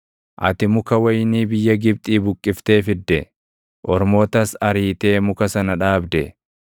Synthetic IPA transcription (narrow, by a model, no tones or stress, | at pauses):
ʔɐ̰t̪ɪmʊkɐwɐjniːbɪjːɐɡɪb̚t̪ʼiːbʊkʼːɪft̪e̞ːfɪd̪ːɛ | ʔɔɾmo̞ːt̪ɐsɐɾiːt̪e̞ːmʊkɐsɐnɐᶑaːbd̪ɛ̰